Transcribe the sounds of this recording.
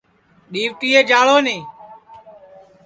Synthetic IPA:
ɗiːʋʈiːeːd͡ʒaːɭoːneː

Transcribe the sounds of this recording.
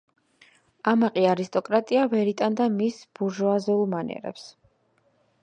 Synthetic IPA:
amaqʼiaɾist̪ʼɔkʼɾat̪ʼiavɛɾit̪ʼand̪amisb̥uɾʒuazulˠmanɛ̰ɾɛ̰ps

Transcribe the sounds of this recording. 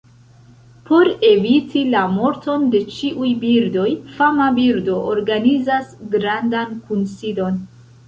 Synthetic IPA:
po̞ɾe̞vitilamo̞ɾto̞nde̞t͡ʃiʔujbiɾdo̞jfamabiɾdo̞ʔoɾɡanizasɡɾandankunsido̞n

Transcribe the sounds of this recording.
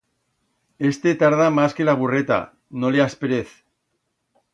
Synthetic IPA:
e̞st̪et̪aɾðamaskelaβ̞uret̪a̰ | no̞leaspeɾeθ

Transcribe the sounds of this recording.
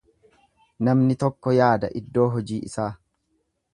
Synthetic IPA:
nɐmnɪt̪ɔkːɔjaːd̪ɐʔɪd̪ːo̞ːɦɔd͡ʒiːʔɪsaː

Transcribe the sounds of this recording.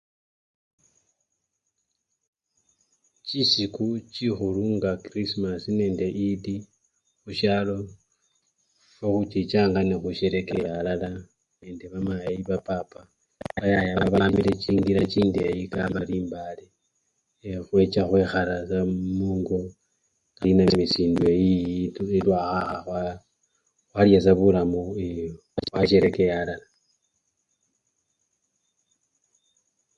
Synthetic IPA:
t͡ʃisikut͡ʃixuluŋɡakɾismasine̞ːnde̞ʔidi | xuʃalo̞ | foxut͡ʃit͡ʃaːŋɡanexuʃeɾe̞ke̞jalala | ne̞ːnde̞βamajiβapaːpa | βajajaβaβamile̞t͡ʃiːŋɡiɾat͡ʃiːndejikamaliːmbale | xwe̞t͡ʃaxweːxaɾasamuːŋɡo | ŋɡalinammisiːndwuejielwaːxaxaxwa | xwaljasaβulamue | waʃe̞ɾe̞kejalala

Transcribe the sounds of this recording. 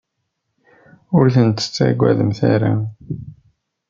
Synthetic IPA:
ʊɾθənt̪ə̥t͡sːæ̰ɡʷæðəmθæɾa

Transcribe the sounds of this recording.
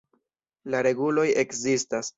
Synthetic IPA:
laɾe̞ɡulo̞je̞kzistas

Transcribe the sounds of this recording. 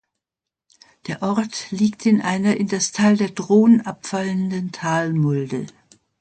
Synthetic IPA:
d̥eːɐʔɔɐtliːktʰɪnʔaɪnɐʔɪndastʰaɪldeːɐdʁoːnənʔapfaləndəntʰaːlmʊldə̰

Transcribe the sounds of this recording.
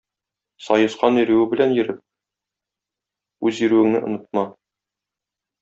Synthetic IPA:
sɒjɤ̆sqɑnĭɾɘ̆wɘbɘ̆lænjɘ̆ɾɘp̚ | ʉzĭɾʉwɘ̆ŋnɘ̰ʔŏnɤ̆t̪̚mɑ

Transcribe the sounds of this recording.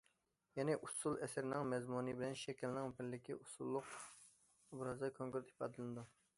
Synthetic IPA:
jɛnɪʔusulˠɛsɪɾɪnɪŋmɛzmunɨbɪlɛnʃɛkʲɪlnɪŋpʰɪɾlːɪkʲiʔusulˠːʊq | bɾɑzɑjkʰoŋkʊɾt̪i̥pɑ̰ːd̪ɨlɨnɨd̪u

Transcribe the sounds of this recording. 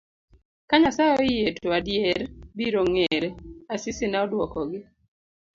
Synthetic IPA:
kaɲasaɔɪjetoadjeɾbiɾoŋeɾeasɪsɪnaɔdwɔkɔɡɪ

